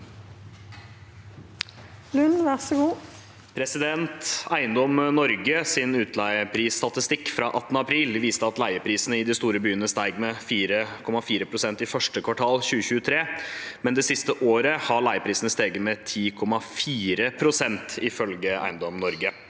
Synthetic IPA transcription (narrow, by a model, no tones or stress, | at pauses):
lʉnʋæʁsɔɡuː | pʰɾɛsɪd̪ɛnt̪æɪənd̪ɔmnɔɾɡəsɪnʉːt̪ʰlæɪəpʰɾiːst̪ɑt̪ɪst̪ɪkːfɾɑʔɑt̪ːənəɑpʰɾiːlʋiːst̪əɑt̪læɪəpʰɾiːsənəɪd̪ɪst̪uːɾəbyːənəst̪æɪɡmɛfiːɾəkʰɔmɑfiːɾəpʰɾʊsɛnt̪ɪfœʂʈəkʰʋɑʈʰɑːlçʉːəçʉːət̪ʰɾeːmɛnd̪ɛsɪst̪əʔoːɾəhɑɭæɪəpʰɾiːsənəst̪eːɡəmɛt̪ʰiːkʰɔmɑfiːɾəpʰɾʊsɛnt̪ɪfœlɡəʔæ̰ɪənd̪ɔmnɔɾɡə